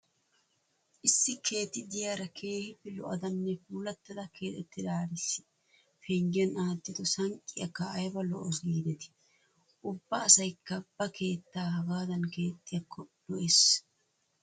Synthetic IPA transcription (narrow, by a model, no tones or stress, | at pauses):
ʔɪsːɪkʰe̞ːt̪ːɪd̪ɪjaːɾɐkʰe̞ːhɪbɪlɔ̰ʔɐ̰d̪ɐnːɛfuːlɐt̪ːɐd̪ɐke̞ːt̪ɛt̪ːɪd̪aːɾɪsɪ̥ | fɛŋɡɪɐnaːt̪ːɪt̪ʊsɐŋkʼːɪjɐkːɐːjbɐlɔʔɔsɡiːd̪ɛt̪ɪ̥ | ʔʊbːɐːsɐjkːɐbːɐkʰe̞ːt̪ːaːhɐɡaːd̪ɐnke̞ːt̪ʼːɪjɐkːɔd̪ɔʔes